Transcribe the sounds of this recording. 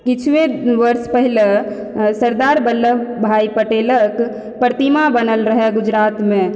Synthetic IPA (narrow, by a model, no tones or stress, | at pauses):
kit͡ʃʰʋeʋəɾspəɦile | səɾd̪aɾbəlːəbbʱaipəʈelək | pəɾt̪imabənəlɾəɦɛɡud͡ʒɾat̪me